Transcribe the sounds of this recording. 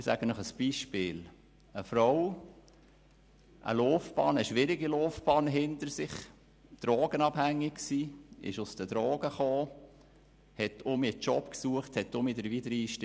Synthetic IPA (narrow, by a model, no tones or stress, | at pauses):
sæ̰ɡənɔχəsb̥iːʃpɪːl | əfɾɔw | ʔə̰loːfb̥ɑːnəʃʋɪɾɪɡilɔːfb̥ɑːnɦɪnt̪əɾsɪχ | d̥ɾɔːɡənɑbhæŋːɪksiːɪ̰ʃʊsd̥̪əd̥ɾɔːɡ̥əχoː | hɛtʰʊmit͡ʃɔpksuəχthɛt̪ːʊmidəɾʋidəɾiːʃt